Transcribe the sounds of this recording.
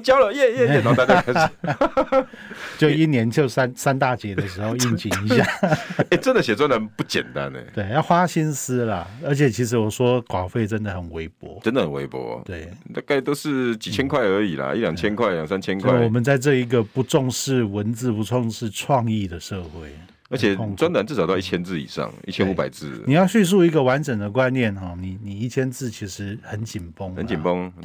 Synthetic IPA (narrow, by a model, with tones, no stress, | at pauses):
t͡ɕjɑ˥ʊlə˨jɛ˥˨jɛ˥˨ɛ˥˩n˨t̪a˥˧t͡ɕja˥kʰa˥ɪ˨ | t͡ɕjo˥˧i˦njɛ˧˥nt͡ɕʰjo˥˧˩ʊsa˥nsa˥nt̪a˥˨t͡ɕjɛ˧˥d̪ə˧˨ʂ̬ɻ̩˧˥xo˥˧ʊi˥˩nt͡ɕʰi˨˥ŋni˧˦ɕɕja˥˩e˥˨˩ʈ͡ʂə˦nd̪ə˨ɕjɛ˨˩t͡swa˥˨nə˧˦npu˥˩t͡ɕjɛ̰˨˩nt̪a̰˦nḛ˨˩t̪we˥˩ɪa˥˩xwa˥ɕi˥ns̩˥lɐ˨ə˞˧˥t͡ɕʰjɛ˨˩t͡ɕʰi˧˥ʂ̬ɻ̩˧˥wɔ˨˩ʂwɔ˥kwɑ˨˩ʊfe˥˩ɪʈ͡ʂə˦˥nd̪ə˨xə˨˩nwe˧˥ɪpwɔ̰˧˥ʈ͡ʂə˦nd̪ə˨hə˨˩nwḛ˧˦ɪpwɔ̰˧˥we˥˩ɪt̪a˥˧ka˥˩ɪt̪o˥ʊʂɻ̩˥˧t͡ɕi˨˩t͡ɕʰjɛ˦˥nkʰwa˥˩ə˞˧˥i˨˩la̰˨i˥˨ljɑ˨˩ŋt͡ɕʰjɛ˥nkʰwa˥ɪljɑ˨˩ŋsa˦˥nt͡ɕʰjɛ˥nkwa˥˧˥wɔ˨˩mə˨˦nt͡sa˥˧ɪʈ͡ʂɤ˥˧˩i˧˥ɡə˨pu˧˦ʈ͡ʂɔ˥˧ŋʂɻ̩˥˩wə˧˦nt͡sɹ̩˥˧pu˧˦ʈ͡ʂʰɔ˥˧ŋʂɻ̩˥˧ʈ͡ʂʰwɑ˥˧ŋi˥˩d̪ə˩ʂɤ˥˧xwe˥˩ɪ | ə˧˥t͡ɕʰɛ˨˩˥ŋt͡swa˦na˨nt͡sɻ̩̬˥˩˨t̪ɑ˥˧ʊi˥˩t͡ɕʰjɛ˥nt͡sɹ̩˥˩ḭ˨˩ʂɑ̰˥˨ŋi˥˩t͡ɕʰjɛ˦nu˧pa˨˩ɪt͡sɹ̩˥˨ni˨˩jɑ˥˧ʊɕy˥˧s̬u˥˧i˧˥ɡə˨wa˧˦˥nʈ͡ʂə˨˩ŋd̪ə˩kwa˦nnjɛ˥˩nxɔ˥˨˩ni˨˩ni˨˩i˥˩t͡ɕʰjɛ˥nt͡sɹ̩˥˩t͡ɕʰi˧˥ʂɻ̩˧˥˦xə˧˦nt͡ɕi˨˩npo˥ŋə˧˦nt͡ɕi˨npo˦ŋ